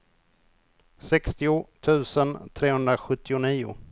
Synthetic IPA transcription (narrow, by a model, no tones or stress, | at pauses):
sɛkst̪ɪʊt̪ʰʉ̟ːsənt̪ʰɾeːhɵnd̪ɾaɧɵt̪ːɪʊniːʊ̰